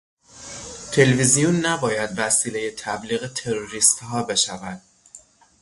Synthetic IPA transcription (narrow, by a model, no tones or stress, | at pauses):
t̪ʰe̞levizijunːæbɒːjæd̪væsiːle̞je̞t̪ʰæbliːɣet̪ʰe̞ɾoɾiːst̪hɒːbe̞ʃævæd̪̥̚